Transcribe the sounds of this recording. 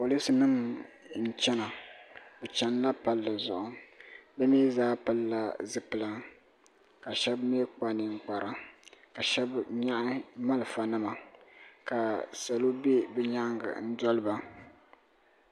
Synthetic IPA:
po˨li˦sɨ˨nɨ˦m | n̩˦t͡ʃɛ˦na˨bɛ˨t͡ʃɛ˦nla˦pa˨lːɨ˨zʊ̰˨ʔʊ˨bɛ˦miː˦zaː˦pa˦lla˨zɨ˨pɨ˨la˦ | ka˨ʃɛ˦bme˦k͡pa˨nɨ˨ŋ̩˦˨k͡pa˨ɾa˦ka˨ʃɛ˦bɲa˦ʔɪ˦ma˦lɨ˨fa˨nɨ˦ma˨ka˨sa˨lo˦be˦bɛ˦ɲa˦ŋɡa̰˨n̩˦dɔ˦lɨ˦ba˦

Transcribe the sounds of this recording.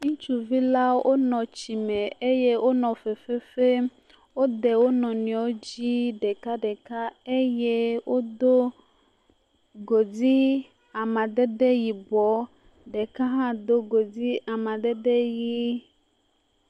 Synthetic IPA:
ŋũ˦t͡ʃu˦vi˦la˦wʔo˦nɔ̃˨t͡ɕi˨mẽ˨e˦je˦wʔo˦nɔ̃˨fe˨fe˦fe˦ | wo˦d̪e˨wo˦nɔ̃˨nĩ˨ɔ˨˦o˦d͡ʑi˦ɖe˨ka˦ɖe˨ka˦e˦je˦wʔo˦d̪o˦ | ɡo˨di˦ | a˨mã˨d̪e˦ɖe˦ji˨bɔ˨˦ | ɖe˨ka˦ɦã˦d̪o˦ɡo˨di˦a˨mã˨d̪e˦ɖe˦ji˦

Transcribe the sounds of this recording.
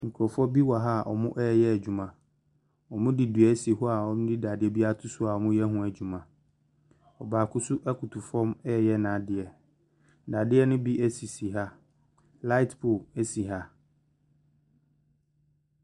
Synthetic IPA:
ŋ̩˨kʰɔ˨fɔ˦bi˦wa˨ɦa˦˨ʔɔ̰˨mʊ̃˦ʔɛ˦˨jɛ˦æ˨d͡ʑᶣu˨mã˨ | ɔ˨mʊ̃˦di˨dɥɛ˨˦si˨ɦʊ˦a˨ɔ˦mʊ̃˦di˦da˨dɪ˦ɛ˦bi˦a˦tʰʊ˦sʊ˦a˨ɔ˨mʊ̃˦jɛ˦ɦʊ̃˦æ˨d͡ʑu˨mã˨ | ɔ˨baː˨kʰʊ˦sʊ˦ʔɛ˦kʰʊ˨tʰu˨fɔ̃˦mɛ˦˨jɛ˦nã˨dɪ˨ɛ˨ | da˨dɪ˦ɛ˦nʊ̃˦bi˦ʔæ˦si˨si˨ɦa˦ | la˦ɪ˦tpʰʊ˨e˦si˨ɦa˦

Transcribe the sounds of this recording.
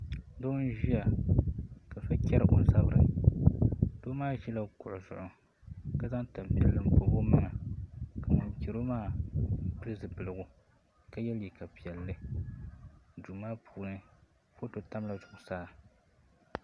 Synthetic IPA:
do˦n˦ʒi˦ja˨ | ka˨fa˦kʲɛ˦ɾɨ˦˨ʔo˨n˦za˦bɾɨ̰˨ | d̥oː˦maː˦ʒi˦la˦kʊ˨ʔʊ˨zʊ̰˨ʔʊ˦ | ka˦za˦ŋta˨mpi˨ɛ˨lːɨ˨m̩˨bo˨bo˦mɨ˦ŋa˨ka˨mɨ˨nki˨ɾo˦maː˦m̩˦pɨ˦lɨ˦zɨ˨pɨ˨lɨ˨ɡʊ˨ | ka˦jɛ˦lji˨ka˨pi˨ɛ˨lːɨ˦ | du˨maː˦pʰuː˨nɨ˦ | fo˦to˨ta˦mla˨zʊ˨ʔʊ˨saː˦

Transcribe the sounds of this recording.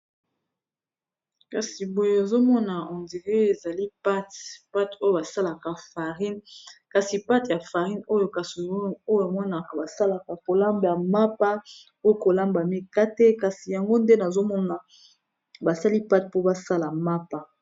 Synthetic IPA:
ka˨si˨bo˨je˦a˨zo˦mɔ˦na˨ɔ̃˨ndi˨ʁe˦e˨za˨li˦pa˦tpa˦to˦jo˦˨ba˨sa˦la˨ka˨fa˨ʁi˦nka˨si˨pa˦tja˨fa˨ʁi˦no˦jo˦ka˨so˦jo˦a˨mɔ˦na˨ka˨ba˨sa˦la˨ka˨ko˨la˦mba˨ma˦pa˦ | o˦jo˦ko˨la˦mba˨mi˦ka˦te˦ka˨si˨ja˨ŋɡo˦nde˦na˨zo˦mɔ˦na˨ | ba˨sa˦li˦pa˦t̚po˦ba˦sa˦la˨ma˦pa˦

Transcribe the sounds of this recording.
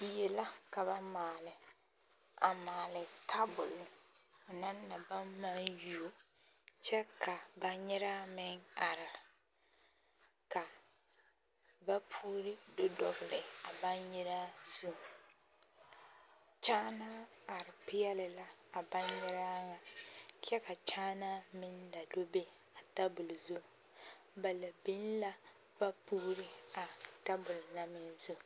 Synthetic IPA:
je˨la˦ka˨βa˦maː˨lɪ˨ | a˨maː˨lɪ˨tʰa˦bʊ˨lʊ˨ | ʊ˨na˦nːa˨ba˦mːa˦nju˨o˦ | t͡ʃɛ˦ka˨ba˦ɲɪ˦ɾa˦mɪ˦ŋa˨ɾɪ˨ | ka˨ | ba˦pʰuː˦ɾɪ˦do˦dɔ˨bɪ˨lɪ˨a˨ba˦ɲɲɪ˦ɾa˦zu˦ | t͡ʃaː˦na˦a˨ɾɪ˨pɪ˦jɛ˦lɪ˨la˦a˨ba˦ɲjɪ˦ɾa˦ŋa˨kɛ˦ka˨t͡ʃaː˦na˦mɪ˦nla˨do˦be˦ | a˨ta˦bʊ˨lzu˦ | ba˨la˨bi˦n˦la˦ | ba˦puː˦ɾɪ˦a˨ta˦bʊ˨lna˦mɪ˨nzu˦

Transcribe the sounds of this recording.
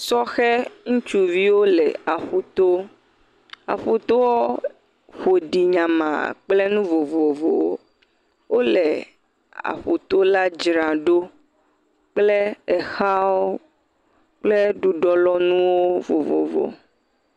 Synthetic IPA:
sɔ˦xɛ˦ŋũ˦t͡ʃu˦vi˦wo˦lɛ˨a˨ɸu˦t̪o˦ | a̰˨ɸu˨t̪o˦wo˦ | ɸo˨ɖi˨ɲã˨mã̰˨k͡ple˦nũ˦vo˨vo˨vo̰˨˦ | wo˦le˨ | a̰˨ɸu˨t̪o˦la˦d͡ʒɾã˨ɖo˦ | k͡ple˦ɛ˨xa˦wo˦ | k͡ple˦ɖu˦ɖɔ˦lɔ˦nũ˦wo˦vo̰˨vo̰˨vo̰˨

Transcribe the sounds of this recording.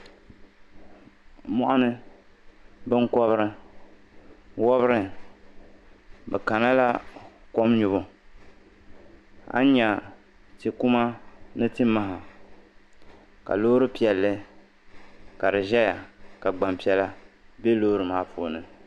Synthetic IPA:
mɔ˦ʔa˦nɨ˦ | bɨ˦ŋkɔ˦βɾɨ˦ | wɔ˦bɾɨ˦ | bɛ˨ka˨na˦la˦kɔ˦mɲʊ˨bʊ˦ | a̰˦ɲa˨ | ti˨ku˦ma˦nɨ˦ti˦mːa˦ɦa˨ | ka̰˨loː˦ɾɨ˦pi˨ɛ˨lːɨ˦ | ka˨dɨ˨ʒɛ˦ja˨ka˨ɡ͡ba˨mpi˨˦ɛ˦la˦be˦loː˦ɾɨ˨maː˨˦pʰoː˨nɨ˨

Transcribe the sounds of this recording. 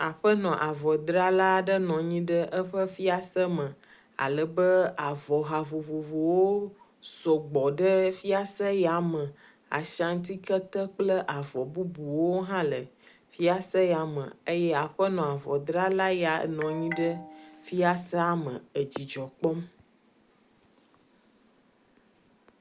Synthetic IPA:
a˨ɸə˦nɔ̃˨ʔa˨vɔ˨d̪ɾa˦la˦ɖə˦nɔ̃˨ɲĩ˦ɖə˦ʔə˦ɸə˦fi˦a˦sə˦mə̃˨ | a̰˨lə˨bə˦a˨vɔ˨ɦa˨vo˨vo˨vo˨wo˦ | sɔ˨ɡ͡bɔ˨ɖə˦fi˦a˦sə˦ja˨mə˨ | a̰˨ʃã˨ŋ̩˦t̪i˦kə˦t̪ə˦k͡plə˦ʔa˨vɔ˨bu˦bu˨wo˦ɦã˦lə˨ | fi˦a˦sə˦ja˨mə̰̃˨ə˦jɛ˦a˨ɸə˦nɔ̃˨a˨vɔ˨d̪ɾa˦la˦ja̰˨˦nɔ̃˨ɲĩ˦ɖə˦fi˦a˦sɛ˦a˦mə̰̃˨ə˨d͡ʑi˨d͡ʒɔ˨k͡pɔ˦m

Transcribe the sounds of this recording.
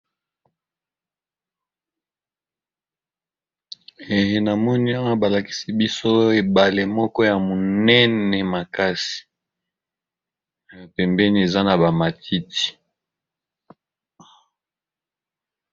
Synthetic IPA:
e˨je˨na˨mɔ˦ni˦a˦wa˦ba˨la˨ki̥˦si˦bi˦so˦e˨ba˨le˨mɔ˦kɔ˦ja˨mo˨nɛ˦nɛ˨ma˨ka˦si̥˨ | pɛ˨mbɛ˦ni˦e˨za˦na˨ba˨ma˨tʰi˦ti̥˨

